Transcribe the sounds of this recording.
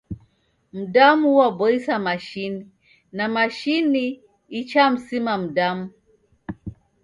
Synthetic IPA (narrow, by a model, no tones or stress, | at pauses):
m̩damuuwabɔisamaʃini | namaʃiniː | t͡ʃam̩simam̩damu